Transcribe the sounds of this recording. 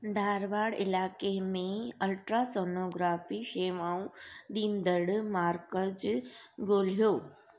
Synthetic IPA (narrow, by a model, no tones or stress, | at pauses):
d̪ʱaːɾʋaːɽɪlaːkemẽɐlʈɾaːsoːnoːɡɾaːfiʃeːʋaːũɗ̪iːnd̪əɽmaːɾkəd͡ʑɡoːl̤ijoː